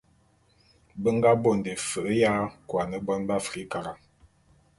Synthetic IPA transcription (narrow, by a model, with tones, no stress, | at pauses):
bə˦ŋɡa˦bo˨n˨de˨fə˨ʔə˦ja˦kwa˨nə˦bɔ˦nba˦fi˦ka˨ɾa˨